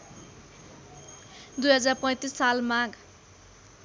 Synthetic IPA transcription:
d̪ujɦʌd͡zarpʌ̃j̃t̪isːalmaɡ

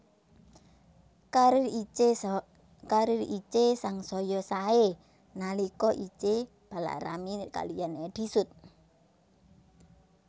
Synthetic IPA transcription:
ka | kaɾirit͡ʃesaŋsɔjɔsae | nalikɔʔit͡ʃe | b̥a̤la̰ɾa̰mika̰lijaned̪̥i̤sʊt̪̚

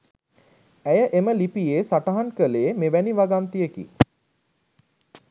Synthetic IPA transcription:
æjəʔeməlipijeːsaʈaɦankəleːmeʋæniʋaɡamt̪iekḭ

